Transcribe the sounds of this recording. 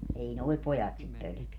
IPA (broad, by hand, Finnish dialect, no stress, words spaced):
ei noi̯ pojɑt sit pølø̆keæ